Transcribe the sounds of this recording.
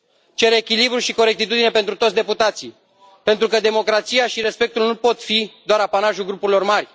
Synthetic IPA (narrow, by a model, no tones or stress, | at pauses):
t͡ʃe̞ɾekʲilibɾuʃiko̞ɾek̚t̪it̪ud̪ine̞pe̞nt̪ɾut̪ot̪sd̪e̞put̪at̪si | pe̞nt̪ɾukəd̪e̞mo̞kɾat̪sijaʃiɾe̞spe̞k̚t̪ulnupo̞t̪fid̪oaɾapanaʒulɡɾupuɾilo̞rmarʲ